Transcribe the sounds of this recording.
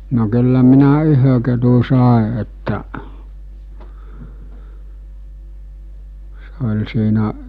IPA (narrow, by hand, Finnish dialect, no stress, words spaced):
no kylːæ minæ yhø ketu sɑˑe etːæʔ se olʲ siːnæʔ